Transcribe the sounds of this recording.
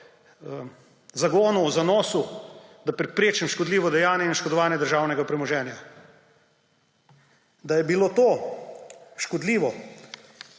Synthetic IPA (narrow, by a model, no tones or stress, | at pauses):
zaɡoːnuzanɔːsud̪apɾɛpɾeːt͡ʃɛmʃkɔd̪liːʋɔd̪ɛjaːnjɛinʃkɔd̪ɔʋaːnjɛd̪əɾʒaːwnɛɡapɾɛmɔʒɛːnja | d̪ajɛbiloːt̪oː | ʃkɔd̪liːʋɔ